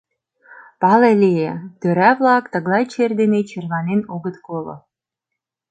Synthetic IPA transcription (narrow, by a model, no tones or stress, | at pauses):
pɑlelʲejet̪øɾæβlˠɑkt̪ə̆ɣlˠɑjt͡ɕerd̪enet͡ɕerβɑnenoɣə̆t̪kolŏ̰